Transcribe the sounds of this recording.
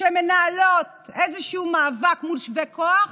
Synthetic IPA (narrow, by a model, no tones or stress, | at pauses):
emenaːlot̪̚ | ezeʃumaːvakmulʃvekʰoaχ